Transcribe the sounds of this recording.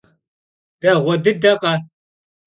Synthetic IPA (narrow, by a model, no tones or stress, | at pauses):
rɐʁʷɔdɨdɐqʼɐ